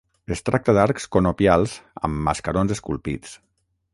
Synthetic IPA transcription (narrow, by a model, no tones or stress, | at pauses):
est̪ɾak̚t̪əd̪aɾkskonopjalˠzə̰mːaskəɾonzeskulˠpḭt͡s